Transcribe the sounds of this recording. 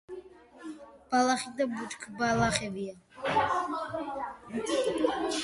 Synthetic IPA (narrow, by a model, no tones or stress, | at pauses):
b̥alaχid̪abut͡ʃkʰbalaχɛbia